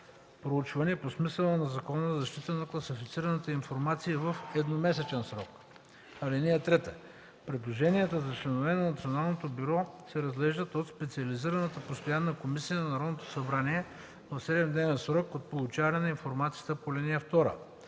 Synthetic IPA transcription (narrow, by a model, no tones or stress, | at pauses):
pɾout͡ʃvɐniɛposmisəlˠənɐzɐkɔnəzɐzɐʃt̪it̪ənɐklˠɐsifit̪siɾɐnɐt̪əinfoɾmat̪siːvɐfɛd̪nomɛsɛt͡ʃɛnsɾɔk | ɐlinijət̪ɾɛt̪ə | pɾɛd̪lˠoʒɛniət̪əzɐt͡ʃlɛnovɛnɐnɐt̪sionalˠnot̪obyɾɔsɛɾɐzɡlɛʒd̪ət̪ot̪spɛt̪siɐliziɾɐnət̪əpost̪ojanːəkomisijənɐnɐɾɔd̪not̪o̥sɐbɾaniɛ | vɐfsɛd̪ɛmd̪nɛvɛnsɾɔkot̪̚polˠut͡ʃavɐnɛnɐinfoɾmat̪siət̪əpolʲiniɛft̪ɔɾə̰